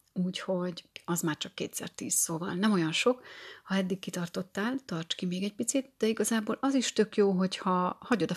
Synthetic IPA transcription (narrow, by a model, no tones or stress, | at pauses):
uːcho̞ɟɒzmaːrt͡ʃɒkːeːt̪sɛ̰rt̪iːssoːvɒ̰lnɛmo̞jɒnʃo̞khɒɛd̪ːikːit̪ɒrt̪o̞t̪ːaːlt̪ɒrt͡ʃkimeːɡɛc̚pit̪sit̪̚d̪̥ɛiɡɒzaːboːlʔɒziʃt̪ø̞kjoːɦo̞chɒhɒɟo̞d̪ɒ